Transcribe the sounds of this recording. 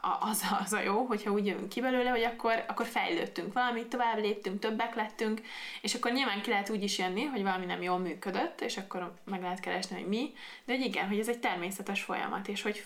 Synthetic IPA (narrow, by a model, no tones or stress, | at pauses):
ʔɒzɒzɒjoːɦo̞chɒuːɟjøvy̰ŋkːibɛløːlɛɦo̞ɟɒkːo̞rɒkːo̞rfɛ̰jløːt̪ːyŋkʋɒlɒmit̪ːo̞vaːbleːpt̪ːyŋk̚t̪ø̞bːɛklɛt̪ːyŋkeːʃɒkːorɲilvaːŋkilɛɦɛt̪uːɟiʃjønːiɦo̞ɟvɒlɒminɛmjoːlmyːkød̪øt̪ːeːʃɒkːo̞ɾmɛɡlɛɦɛt̪kɛɾɛʃniɦo̞̰ɟmid̪ɛho̞ɟiɡɛ̰nɦoɟɛzɛc̚t̪ɛrmeːsɛt̪ɛʃfo̞̰jɒ̰mɒ̰t̪eːʃho̞ɟ